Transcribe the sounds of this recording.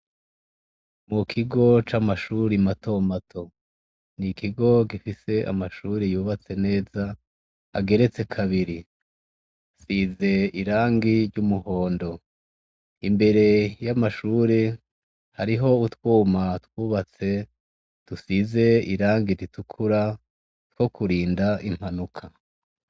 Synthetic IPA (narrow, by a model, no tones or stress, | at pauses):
mukʰiɡo̞t͡ʃamaʃuɾimato̞matʰo̞ | nikiɡo̞ɡifise̞ʔa̰maʃuɾejuːβat͡se̞ne̞ːza | a̰ɡe̞ɾe̞t͡se̞kʰaβiɾi | size̞iɾaːŋɡiɾɟumuho̞ːndo̞ | imbe̞ɾe̞jamaʃuɾe | haɾiɦo̞utwuːmatwuːβat͡se̞ | tusize̞iɾaːŋɡiɾitukʰuɾa | two̞kʰuɾiːndaʔim̥hanukʰa